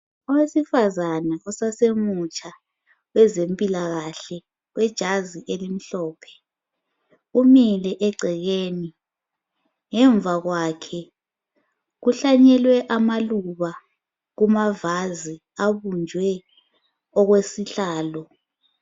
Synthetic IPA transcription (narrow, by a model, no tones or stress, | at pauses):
ɔwesifazanaɔsasemut͡ʃʼa | wɛzempʼilaɣaɬɛ | wɛd̥ʒ̥ʱaziʔelim̩ɬɔːpʰɛ̥ | umilɛʔɛɡ͡ǀʱɛɣeːni | ŋɛɱbvʱaɣwaːkʰɛ | ɣuɬaɲɛlwɛʔamaluβa | ɣumavazi | aβund͡ʒʱwɛ | ɔɣwesiɬaːlɔ